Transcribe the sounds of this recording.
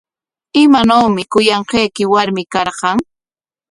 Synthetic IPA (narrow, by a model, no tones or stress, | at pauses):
ɪmanawmɪkʊjɑɴqejkɪwaɾmɪkɑɾqɑŋ